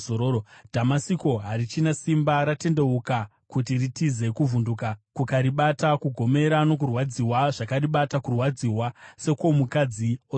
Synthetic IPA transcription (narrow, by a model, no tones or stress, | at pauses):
oood̥ʱamasiko̞ɦaɾit͡ʃinasimbaɾate̞nde̞uka | kut̬iritize̞kuvundukakukaɾiɓatakuɡʱo̞me̞ɾano̞k̬urwad͡ziwaʐ̥akariɓatakurwad͡ziwase̞ko̞mukad͡zio